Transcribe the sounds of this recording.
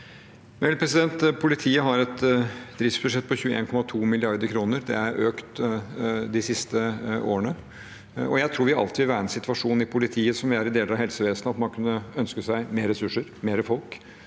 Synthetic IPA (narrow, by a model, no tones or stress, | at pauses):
mɛlpʰɾɛsɪd̪ɛnt̪pʰʊlɪt̪ʰiːəɦɑɾɛt̪d̪ɾɪft̪sbʉʂɛt̪ːpʰɔçʉːəʔḛːnkʰɔmɑt̪ʰuːmɪlɪɑɾd̪əɾkʰɾuːnəɾd̪ɛ̰æɾøːkt̪ | d̪ɪsɪst̪əʔo̰ːɾənə | ɔ̰jæɪt̪ʰɾuːɾʋɪɑɑ̰lt̪ɪʋɪʋæːɾəɛnsɪt̪ʋɑʂuːnɪpʰʊlɪt̪ʰiːəsɔmʋɪæɾɪd̪eːləɾɑhɛlsəʋeːsnəɑt̪mɑnkʰʉnːəœnskəsæɪmeːɾɛsʉʂːəɾmeːɾəfɔlk